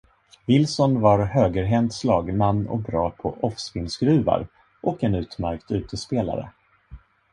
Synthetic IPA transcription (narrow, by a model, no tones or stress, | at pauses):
vɪlsɔnvaɾhøːɡəɾɦɛnt̪slɑːɡmanːɔ̰k̚bɾɑːpʰɔʔɔfsfɪnsɡɾʉ̟ːva̰ɾ | ʔɔkɛnʉ̟ːt̪mæɾkt̪ʉ̟ːt̪əspeːla̰ɾə̰